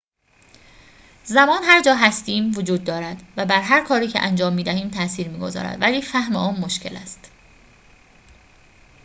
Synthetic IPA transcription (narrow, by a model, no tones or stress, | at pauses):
zæmɒːnhæɾd͡ʒɒːɦæst̪iːmvod͡ʒuːd̪̚ːɒːɾæd̪̥væbæɾɦæɾkʰɒːɾiːcʰeʔænd͡ʒɒːmːiːd̪æhiːmt̪ʰæʔsiːɾmiːɡo̞zɒ̰ːɾæ̰d̪̥væliːfæhmḛʔɒːnmo̞ʃcʰe̞̰læ̰st̪